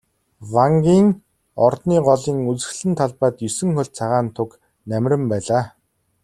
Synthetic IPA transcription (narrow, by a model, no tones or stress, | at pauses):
waŋɡʲiːŋ | ɔrt̪niːɢɔɮiːŋut͡sɘ̆xɮɘ̆nt̪ʰaɮpaːt̪jɵsɘ̆ŋxʊɮ̚t͡sʰaʁaːnt̪ʰʊk | næmʲrʲɘ̆mpæːɮaː